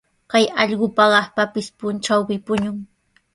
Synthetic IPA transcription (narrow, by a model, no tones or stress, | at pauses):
kajɑʎɢʊpaɢɑχpapɪspʊnʈ͡ʂawpɪpʊɲʊŋ